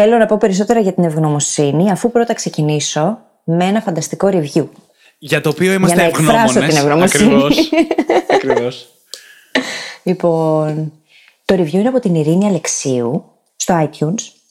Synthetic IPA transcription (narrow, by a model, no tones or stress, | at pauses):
θelo̞nɐpo̞pe̞ɾiso̞t̪e̞ɾɐʝɐt̪ine̞vɣno̞mo̞siniɐfupɾo̞t̪ɐkse̞ciniso̞ | mee̞nɐfɐnd̪ɐst̪iko̞ɾivʝu | ʝɐt̪oːpioimɐʝɐnɐekɾɐstot̪inevɣnomosini | ɐkɾios | lipo̞n | t̪oɾivʝuineɐpot̪iniɾiniɐle̞ksiu | st̪o̞ɐit̪çuns